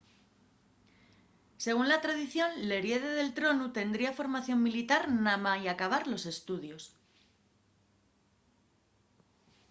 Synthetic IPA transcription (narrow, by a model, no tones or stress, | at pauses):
se̞ɣ̞unlat̪ɾaðiθjo̞nle̞ɾje̞ðeðe̞lt̪ɾo̞nut̪e̞nd̪ɾiafo̞ɾmaθjo̞mmilit̪aɾnamaiakaβ̞aɾlo̞se̞st̪uðjo̞s